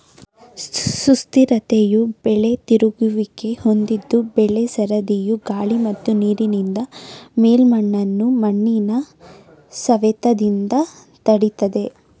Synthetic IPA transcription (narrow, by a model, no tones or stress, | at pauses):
sust̪iɾɐt̪ejubɛɭe̞t̪iɾuɡuʋike̞ho̞nd̪id̪ːubɛɭesɐɾɐd̪ijuɡaːɭimɐt̪ːuniːɾinind̪ɐmeːlmɐɳːɐnːumɐɳːinɐ | sɐʋɛt̪ɐd̪ind̪ɐ | t̪ɐɽit̪ɐd̪e̞